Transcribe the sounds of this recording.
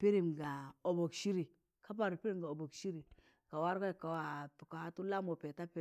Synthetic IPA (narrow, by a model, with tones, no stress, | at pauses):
pi˦ɾi˨mɡa˨o˨bo˨kʃi˦ɾi˨ | ka˦p̬a˨ɾi˨pi˦ɾi˦˨ɡa˨o˨bo˨kʃi˦ɾi˨ | ka˨wa˦ɾka˦˨ka˨wa˨pka˨ha˦tu˦la˦mo˨pe˨ta˦pe˦˨